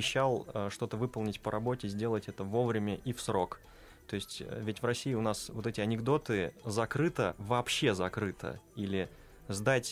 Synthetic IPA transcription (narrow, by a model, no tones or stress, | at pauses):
ɪɕːalˠəʂt̪o̞t̪əvɨpəlˠnʲɪtʲpəɾʔɐbo̞tʲɪzʲdʲe̞lˠətʲɛt̪əvo̞vɾʲɪmʲəʔifsɾo̞k | t̪o̞ɪsʲtʲə̰vʲɪtʲvrɐsʲːijːɪʊnasvo̞t̪ɛtʲɪɐnʲɪɡd̪o̞t̪ɨzɐkɾɨt̪əvɐːpɕːe̞zɐkɾɨt̪ʰə̰ilʲɪ | zd̪atʲ